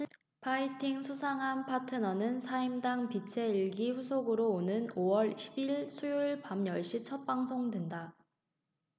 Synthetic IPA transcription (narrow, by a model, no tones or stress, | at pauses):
pʰaitʰiŋsʰusʰaŋɦanpʰatʰɯnʌnɯnsʰaimdaŋpit͡ɕʰe̞iɭɡiɸusʰoɡɯɾoːnɯnowʌɭɕʰibiɭsʰujuiɭpamjʌɭɕ͈it͡ɕʰʌt̚p͈aŋs̬ʰoŋdwenda